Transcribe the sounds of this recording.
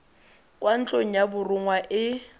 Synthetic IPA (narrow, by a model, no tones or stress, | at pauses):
kʼwan̩t͡ɬʼoŋ̩jabʊrʊŋwaʔɪ